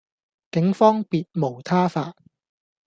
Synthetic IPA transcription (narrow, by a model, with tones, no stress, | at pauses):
kɪ˨˥ŋfɔː˥ŋpiː˨t̚mo˨˩wt̪ʰaː˥faː˧